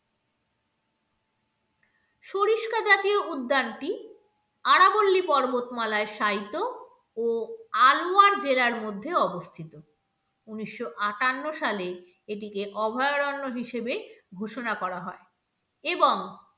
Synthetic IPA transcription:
ʃoɾiʃkʰad͡ʑat̪ioʔud̪ːanʈi | aɽabolːipɔɾbot̪malaeʃajt̪o | oaloaɾd͡ʑelaɾmod̪ʱːeɔbost̪ʰit̪o | uniʃːoʔaʈanːoʃale | eʈ̬ikeʔɔbʱɔeoɾɔnːoɦiʃebeɡʱoʃonakɔɾaɦɔe | eboŋ

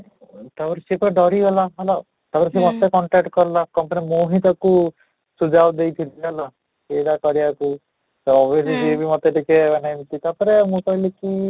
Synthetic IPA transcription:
t̪apɔɾesepɔɾeɖɔɾiɦɔlaɦala | t̪apɔɾesemɔt̪ekɔɳʈek̚ʈkɔɾlakɔmpanimoɦit̪ɔku | sud͡ʒawd̪ejt̪ʰilala | edakɔɾiaku | sɔɔbjesisiebimɔt̪eʈikebanajmt̪it̪apɔɾemũkɔileki

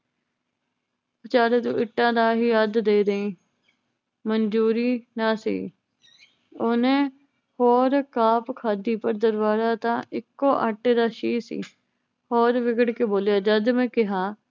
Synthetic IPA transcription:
pət͡ʃaːɾeːt̪ṵ̃ːʔɪʈːãːd̪aːɦiːəd̪d̪eːd̪eĩː | mənd͡ʒuːɾiːnaːsḭː | oːnẽː | hoːɾkaːpkʰaːd̪iːpəɾd̪əɾbaːzaːt̪ãːʔɪkːoːʔəʈːeːd̪aːʃiːsḭː | hoːɾʋɪɡəɽkeːboːljaːd͡ʒəd̪mẽːkɪɦaː

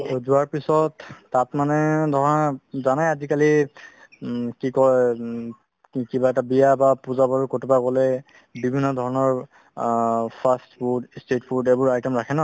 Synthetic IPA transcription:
ozuwaɹpisɔtːatmanɛdʱɔɹɔnazanajazikali | kikɔ | kibaɛtabijabapuzabaɹukotupaɡɔlɛ | bibʱinːɔdʱɔɹɔnɔɹ | pʰastpudstetpʰudebʊɹajtɛmɹakʰɛna

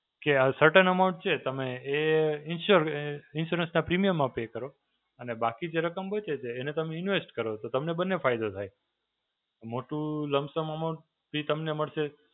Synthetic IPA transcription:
keasəɾʈənəmaʊ̃ɳʈ̚t͡ʃʰet̪əmeːɪnʃuɾɪnʃuɾənsnapɾimijəmːãpekəɾo | ənebakid͡ʒeɾəkəmbət͡ʃet͡ʃeːnet̪əmeɪnʋesʈkəɾot̪ot̪əmnebənːefajd̪ot̪ʰaj̪ | omoʈũləmsəməmaʊ̃ɳʈ | bʱit̪əmneməɭʃe

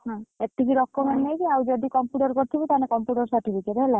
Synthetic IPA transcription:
ɦãet̪ʰːikiɾɔkːɔmeɳʈnejkiawd͡ʒɔd̪ikɔmpjuʈɔɾkɔɾt̪ʰibit̪anekɔmpjuʈɔɾsaɾʈipikeʈɦela

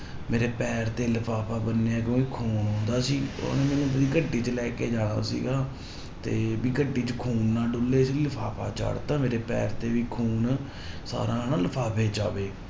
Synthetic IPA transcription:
meːɾeːpɛːɾt̪eːləpʰaːpʰaːbənːeãːk̬jõːkikʰuːnõːnd̪aːsiːo̰ːnẽːmɛ̃ːnũːbəd̪iːɡəɖiːt͡ʃəlɛːkeːd͡ʒaːɽ̃ã̰ːsḭːɡaː | t̪eːbiːɡəɖiːt͡ʃəkʰuːnːãːɖʊlːeːsiːləpʰaːpʰa̰ːt͡ʃa̰ːɽt̪ãːmeːɾeːpɛ̰ːɾt̪eːʋiːkʰuːn | sa̰ːɾãːnãːləpʰaːpʰeːd͡ʒa̰ːʋeː

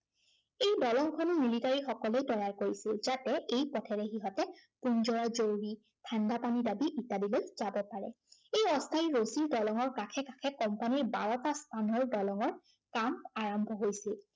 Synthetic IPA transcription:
ejdɔlɔŋkʰɔnumilitaɹixɔkɔlejtɔjaɹkoɹisilzatɛejpɔtʰɛɹɛxiɦɔtɛpunzɔɹazowɹi | tʰandapanidabiʔitadilojzabɔpaɹɛ | ejɔstʰaiɹosiɹdɔlɔŋɔɹkakʰɛkakʰɛkɔmpaniɹbaɹɔtastʰanɔɹdɔlɔŋɔɹ | kamaɹɔmbʱɔɦojsil

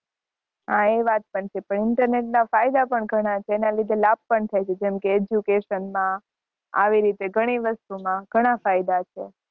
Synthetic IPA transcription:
ɦãeʋat̪̚pəɳt͡ʃʰepəɳɪɳʈəɾneʈ̚nafajd̪apəɳɡʱəɽ̃at͡ʃʰeːnalid̪ʱelab̚pəɳt̪ʰajt͡ʃʰed͡ʒɛmkeːd͡ʒjukeʃənmã | a̰ʋiɾit̪eɡʱəɽ̃iʋəst̪umãɡ̥ʱəɽ̃afajd̪at͡ʃʰḛ

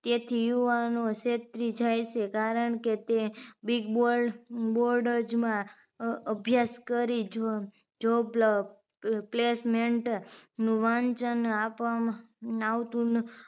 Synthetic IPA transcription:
t̪et̪ʰijuʋanoʃet̪ɾid͡ʒajt͡ʃʰekaɾəɳket̪ebiɡboɾboɾɖəɾd͡ʒmã | əbʱjaskəɾid͡ʒo | d͡ʒobl | plesmeɳʈnũʋãnt͡ʃənapama | aʋt̪ũn

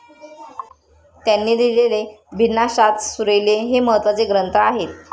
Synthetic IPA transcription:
t̪janːiːd̪ilelebʱinːaɕat̪suɾəjleɦeməɦət̪ʋat͡seɡɾənt̪aaɦet̪̚

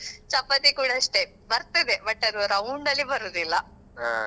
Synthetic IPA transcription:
t͡ʃɐpːɐt̪ikuːɽaːʂʈe | bɐɾt̪id̪ebɐʈːɐd̪uɾɐwɳɖɐlːibɐɾuːd̪ilːɐ

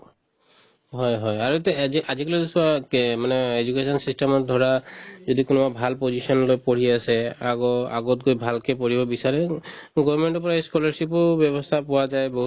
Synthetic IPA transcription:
ɦɔjɦɔjaɹuet̪ɛiaziklozisuakmanɛed͡ʒukesɔnsisʈemɔd̪ʱɔɹazod̪ikunɔbabʱalpozisɔnlojpoɹiasɛaɡɔa̰ɡɔt̪̚ɡojbʱalkepɔɹibɔbisaɹɛɡɔbmeɳʈɔpɔɹaeskɔlaɹsipɔbjɔbɔst̪ʰapɔwad͡ʒajboɦu

